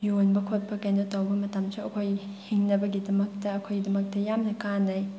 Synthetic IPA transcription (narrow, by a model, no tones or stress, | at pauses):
jonbɐkʰot̚pʰɐkanotɐwbɐmɐtamsuɐkʰoj | hiŋnɐbɐɡidɐmɐk̚tɐɐkʰojdɐmɐk̚tɐjamnɐkanɐj